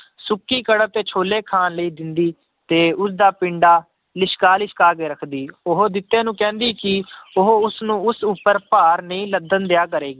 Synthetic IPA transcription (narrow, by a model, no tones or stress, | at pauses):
sʊkːiːkəɽəb̚t̪eːt͡ʃʰoːleːkʰaːnləiːd̪ɪnd̪iː | t̪eːʊs̬d̪aːpɪɳɖaː | lɪʃkaːlɪʃkaːkeːɾəkʰd̪iːʊɦod̪ɪt̪ːẽːnũːkɛ̃ːnd̪iːkɪʊɦoʊsnũːʊsupːəɾpaːɾnəĩːləd̪ənd̪ejaːk̬əɾeːɡiː